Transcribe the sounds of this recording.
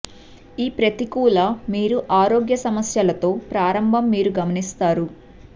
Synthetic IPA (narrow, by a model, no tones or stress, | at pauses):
iːpɾɐt̪ikuːlɐmiːɾuʔaːɾo̞ːɡjɐsɐmɐsjɐlɐt̪o̞ːpɾaːɾɐmbʱɐmːiːɾuɡɐmɐnist̪aːɾu